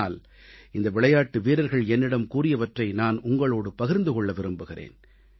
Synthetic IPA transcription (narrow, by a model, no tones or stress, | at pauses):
aːl | ɪnd̪ɐʋɪɭɐjaːʈːɯʋiːɾɐɾɣɐɭɛnːɪɽɐmkuːrɪjɐʋɐʈrɐɪnaːnʊŋɡɐɭoːɽɯpɐɣɪɾnd̪ɯkɔɭːɐʋɪɾɯmbɯɣɪrḛːn